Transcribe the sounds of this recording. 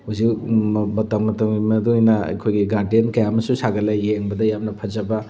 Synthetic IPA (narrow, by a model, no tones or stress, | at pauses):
huzikbɐtɐŋmɐtɐŋimɐduijnɐɐ̰jkʰojɡiɡaɾdienkɐjamɐsusaɡɐlajeŋbɐdɐjamnɐpʰɐzɐbɐ